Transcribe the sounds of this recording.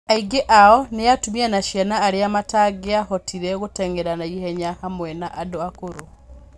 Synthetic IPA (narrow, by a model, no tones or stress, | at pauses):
aiɡeʔaɔneatumianaʃjanaːɾeamataɡeahɔtʰiɾɛɣotɛŋɡɛɾanaihɛɲahamwɛnaʔadoakoɾo